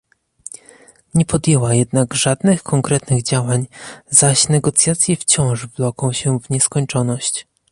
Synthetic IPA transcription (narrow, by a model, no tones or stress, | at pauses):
ɲɛpɔd̪jɛwajɛd̪naɡʐad̪nɘxkʰɔŋkɾɛt̪nɘɣd͡ʑawaɲzaɕnɛɡɔt̪sʲjat̪sʲjɛft͡ɕɔ̃w̃ʐvlɔkɔ̃w̃ɕɛvɲɛskɔɲt͡ʂɔnɔɕt͡ɕ